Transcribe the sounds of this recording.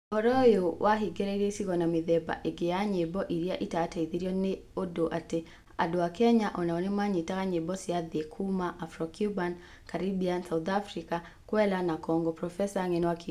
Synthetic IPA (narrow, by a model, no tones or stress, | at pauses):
ɔɾɔjowʔaɦiɡeɾɛɾesikɔnamiðɛba̰ʔeɡeaɲebɔʔiɾiaʔitaːtɛiðiɾiɔneodoʔate | a̰dɔwakɛɲaʔɔnaɔnimaɲitaɣaɲebɔsiaðiɛkʰumaʔafɾɔkjuban | kaɾibiansaut̪afɾika | kwɛlanakɔŋɡɔpɾɔfɛsaŋɛnɔwaki